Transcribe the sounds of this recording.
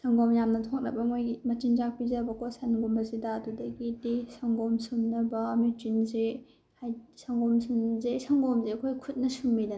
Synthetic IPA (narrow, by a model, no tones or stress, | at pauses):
saŋɡɔmjamnɐtʰɔk̚nɐ̰bɐmojimɐt͡ʃiŋzak̚pizɐbɐkʰosanɡumbɐsidɐːdudɐɡidisaŋɡɔmsumnɐbɐmitinze | hajsaŋɡɔmsunzesaŋɡɔmzekʰojkʰut̚nɐsumːida